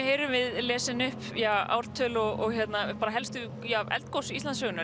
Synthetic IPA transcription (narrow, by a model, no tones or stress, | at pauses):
heːjɾʏmvɪðlɛːsɪnʏhpjaa̰ːwɾ̥t̪ʰːœlɔɣɔɣçjɛt̪napaɾaɦɛlst̪ʏ | javɛ̰lt̪̚kowsist̪ansœːɣʏnʏ